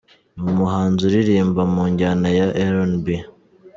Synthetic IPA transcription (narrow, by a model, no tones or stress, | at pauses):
umuɦaːnzuɾiɾiːmbamuːɲɟanajaʔeɾonbi